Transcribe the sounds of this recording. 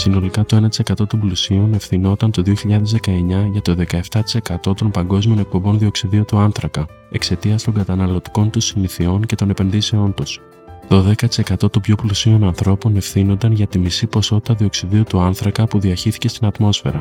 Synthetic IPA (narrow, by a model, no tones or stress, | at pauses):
sino̞likɐt̪o̞e̞nɐt̪i̥se̞kɐt̪o̞t̪umblusione̞fθino̞t̪ɐnt̪o̞ðio̞çiʎɐðe̞zðe̞kɐe̞ɲɐʝɐt̪o̞ðe̞kɐe̞ft̪ɐt̪i̥se̞kɐt̪o̞t̪o̞npɐŋɡo̞zmio̞ne̞k̚po̞mbo̞nðio̞ksiðiut̪uɐnθɾɐkɐ | e̞kse̞t̪iɐst̪o̞ŋɡɐt̪ɐnɐlo̞t̪i̥ko̞nt̪usiniθio̞nce̞t̪o̞ne̞pe̞nðise̞o̞nt̪us | t̪o̞ðe̞kɐt̪i̥se̞kɐt̪o̞t̪upçoplusio̞nɐnθɾo̞pone̞fθino̞nd̪ɐnʝɐt̪imisipo̞so̞t̪i̥t̪ɐðio̞ksiðiut̪uɐnθɾɐkɐpuðiɐçiθi̥ce̞st̪inɐt̪mo̞sfe̞̰ɾɐ